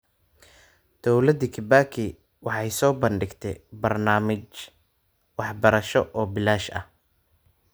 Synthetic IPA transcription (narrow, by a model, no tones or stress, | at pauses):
d̪̥ɔwlɐd̪ikʰɪbaːkʰɪ | wɑħɑjsɔːbɐnɖɪɡt̪ʰɛjbɐrnaːmɪt͡ʃ | wɑħbɐɾɐʃɔʔɔːbɪlaːʃɐ̰h